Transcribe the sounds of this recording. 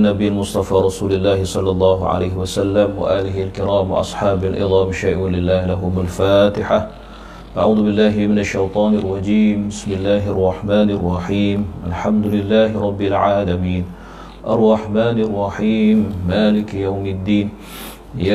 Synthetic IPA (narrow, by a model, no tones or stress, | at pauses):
nabɪjalmʊsˤt̪ˤɑfaːɾˤɑsuːlɪlːaːhɪsˤɑlːɑlˤːɑːɦʊʕa̰lajhɪwasalːamwa̰ʔaːlɪhɪlkɪɾaːmwɪ̰ʔɑ̰sˤħɑːbalʔɪ̰ðˤɑːmɪʃaʔwalɪlːaːhlaɦʊmalfaːt̪ɪħa | ʔaʕuːðʊbɪlːaːɦɪmɪnaʃːajt̪ˤɑːnɪrˤːɑd͡ʒiːmbɪsmɪlːaːɦʔɑrˤːɑħmaːnɑrˤːɑħiːmʔalħamd̪ʊlɪlːaːhɪɾˤɑbːɪlʕaːlamiːn | ʔɑrˤːɑħmaːnɑrˤːɑħiːmːaːlɪkjawmɪd̪ːiːn | ja